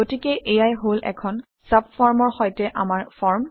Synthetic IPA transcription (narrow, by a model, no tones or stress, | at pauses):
otikɛʔejajɦolʔɛ̰kʰɔn | sap̚fɔɹmɔɹxɔjtɛʔamaɹfʰɔɹm